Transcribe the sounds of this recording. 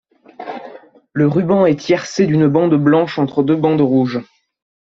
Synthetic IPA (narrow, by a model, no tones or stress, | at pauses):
ləʁybɑ̃ɛt̪jɛʁsed̪ynbɑ̃d̪blɑ̃ʃɑ̃t̪χəd̪øbɑ̃d̪ʁuʒ